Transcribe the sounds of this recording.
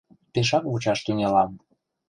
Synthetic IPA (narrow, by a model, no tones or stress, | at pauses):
peʃ̬ɑkβut͡ɕɑʃt̪yŋʲelɑm